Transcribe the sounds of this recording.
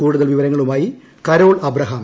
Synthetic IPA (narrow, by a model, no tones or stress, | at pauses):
kuːɽuðɐlʋiʋɐɾɐŋːɐɭumaːji | kɐɾo̞ːɭɐbɾɐɦaːm